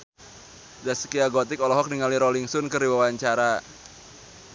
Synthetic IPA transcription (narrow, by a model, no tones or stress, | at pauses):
dasə̥kiaɡɔt̪ɪkɔlɔɦɔk̚niŋaliɾɔliŋsɔnkɨrdiwawaɲt͡ʃaɾa